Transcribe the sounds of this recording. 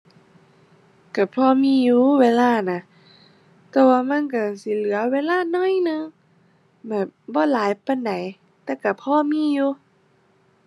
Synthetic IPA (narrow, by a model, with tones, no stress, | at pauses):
ka˧˩pʰɔː˧˨miː˧˥˨juː˧˨weː˧˥˨laː˧˩˨na˧˩ | t̪ɛː˧˩waː˧˨ma˧˥˨nk̬a˧˩si˧˨˦lɯ˨˦ɐweː˧˥˨laː˧˨nɔ˧˥˨jnɯ˧˨ŋ | bɛː˨˩p̚bɔː˧˦˨laː˨˦jpa˧˨nda˨˦j | t̪ɛː˧˨ka˧˩pʰɔː˧˥˨miː˧˥˨juː˧˦